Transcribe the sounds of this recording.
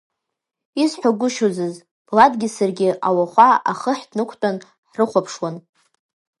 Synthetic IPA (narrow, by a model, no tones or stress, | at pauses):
isħʷaɡʷʊʃozɨz | b̥ladɡʲɪsarɡʲɪʔawaχʷaaχəħdnɨkʷʰtʼan | ħrɨχʷapʰʂwan